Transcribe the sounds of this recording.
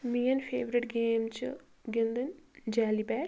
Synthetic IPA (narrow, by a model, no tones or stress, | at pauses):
miːjənpʰeːʋɾɪʈɡeːmt͡ʃ | ɡɪnd̪ənd͡ʒɛːliːbɛːʈ